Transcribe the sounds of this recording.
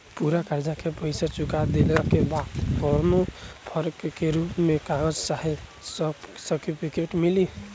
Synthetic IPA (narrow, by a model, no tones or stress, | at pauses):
puɾakaɾd͡ʒakepəɪsat͡ʃukad̪elakebad̪ɡɔɾnopʰəɾkːeɾupmẽkaɡəd͡ʒt͡ʃaɦissəʈipʰikeʈmili